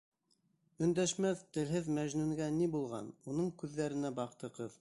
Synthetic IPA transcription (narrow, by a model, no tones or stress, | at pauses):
ɵ̆nd̪æʃmæθt̪ɘ̆lɦɘðmæʒnʉŋɡænibulˠʁɑ̰nunɤɴkʉðːæɾɘ̆næbɑqt̪ɤ̆qɤð